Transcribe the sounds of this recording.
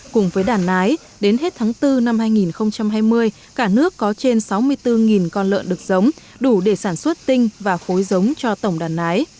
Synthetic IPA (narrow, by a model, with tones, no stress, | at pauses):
kʊ̰˨˧˩ŋ͡mvəː˨˦jɗaː˨˩nʔaː˨˦j | ɗe˨˦nɦe˦˥t̚t̪ʰaː˨˦ŋt̪ɨ˧na˧mhaː˧jŋi˨˩nxə˧wŋ͡mt͡ɕa˧mɦaː˧jmɨ˧əj | kaː˧˩nɨ˦˥əkːɔ˨˦t͡ɕe˧nsa˨˦wmɨ˧əjt̪ɨ˧ŋi˨˩nkɔ˧nlə̰ː˧˨nɗɨ˨˩ək̚zə˨˦wŋ͡m | ɗu˧˩ɗe˧˩saː˧˩nswə˦˥t̚t̪ï˧ŋ̟vaː˨˩fo˨˦jzə˨˦wŋ͡mt͡ɕɔ˧t̪ə˧˩wŋ͡mɗaː˨˩nʔaː˨˦j